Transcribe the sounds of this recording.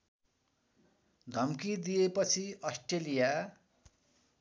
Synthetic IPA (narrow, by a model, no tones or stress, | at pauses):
d̪ʱʌmkid̪ijepʌt͡sʰiʌsʈelija